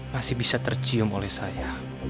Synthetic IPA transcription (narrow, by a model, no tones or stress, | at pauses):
masɪhbisat̪ərt͡ʃiʊmolɛhsaja